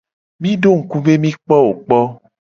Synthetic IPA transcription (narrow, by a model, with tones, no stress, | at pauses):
mĩ˦ɖo˦ŋ̩˨ku˦be˦mĩ˦k͡pɔ˦wo˨k͡pɔ˦